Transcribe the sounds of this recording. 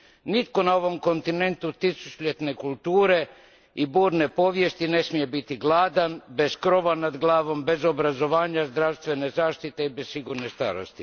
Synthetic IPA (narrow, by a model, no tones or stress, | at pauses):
nit̪ko̞nao̞ʋo̞mko̞nt̪ine̞nt̪ut̪isusplʎet̪ne̞kulˠt̪uːɾe̞ | ibuːɾne̞po̞ʋjest̪ine̞smije̞bit̪iɡlˠaːd̪anbe̞skɾo̞ʋanad̪ɡlˠaːʋo̞mbe̞zo̞bɾazo̞ʋaːɲazd̪ɾaʋst̪ʋe̞ne̞zaːʃt̪it̪e̞ibessiɡuːɾne̞st̪a̰ːɾo̰st̪i